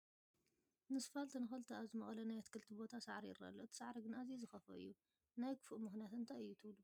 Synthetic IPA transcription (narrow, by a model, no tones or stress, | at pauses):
nɨsfalt̪ʰɐnɨxɐlt̪ʰɨaβzɨmɐxʼlɐnajat̪kʰɨlt̪ʰibo̞t̪ʰasaʕɾijɪ̰rːɐ̰lːoʔɨt̪ʰi̥saʕɾiɡɨnʔazezɨxɐfɐ̰ɨ̰jːu | najkʰɨ̥fuʔmɨxnijat̪ɨnt̪ʰajɨjːut̪ʰɨβlu